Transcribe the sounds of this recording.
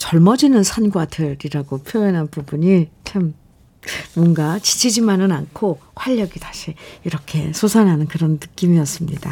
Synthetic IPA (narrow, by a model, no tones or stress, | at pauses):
t͡ɕʌɭmʌd͡ʑinɯnsʰanɡwadʰɯɾiɾaɡopʰjoʌnɦanpubuɲit͡ɕʰamː | wʌŋɡat͡ɕi̥t͡ɕʰid͡ʑimanɯnankʰokʰwaʎːʌɡitaɕʰiiɾʌkʰe̞sʰosʰanɦanɯnkɯɾʌnːɯk͈imiʌs͈ɯmɲid̥a